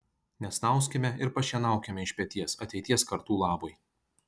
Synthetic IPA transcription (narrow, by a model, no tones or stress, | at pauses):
nʲɛsnɐˑʊsʲkʲɛmʲɛɪɾpɐʃʲiɛnɑˑʊkʲɛmʲɛɪʃʲpʲɛt̪ʲiɛsɐt̪ʲɛɪt̪ʲiɛskɐɾt̪uːlˠɑːbʊj